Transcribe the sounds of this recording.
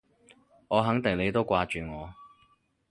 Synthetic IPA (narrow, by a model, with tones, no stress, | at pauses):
ŋɔː˨˧ɦɐ˨˥ŋt̪ɪ˨ŋle˨˧jt̪o˥wkʷaː˧t͡ʃyː˨ŋɔː˨˧